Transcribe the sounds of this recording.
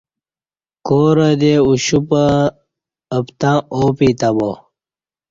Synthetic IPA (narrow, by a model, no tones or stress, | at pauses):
koːɾɐd̪euɕupəː | pt̪ãːoːpit̪ɐbo